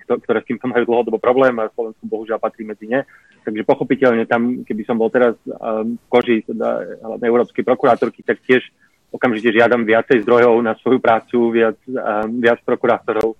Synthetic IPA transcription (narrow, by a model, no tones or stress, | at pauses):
kt̪ɔkt̪ɔɾɛːst̪iːmt̪ɔmajuːd̪l̩ɦɔd̪ɔbɔpɾɔblɛːmaslɔʋɛnskɔbɔɦuʒɪalpat̪ɾiːmɛd͡ziɲɛ | t̪aɡʒɛpɔxɔpicɛʎɲɛt̪amkɛbisɔmbɔlt̪ɛɾasfkɔʒit̪ɛd̪a̰ɦla̰ʋɲɛɛʊɾɔːpskɛjpɾɔkuɾaːt̪ɔɾkit̪ak̚cɪɛʃ | ɔkamʒicɛʒɪad̪amʋɪat͡sɛjzd̪ɾɔjɔʊnasʋɔjupɾaːt͡suʋɪat͡sːʋɪat͡spɾɔkuɾaːt̪ɔɾɔʊ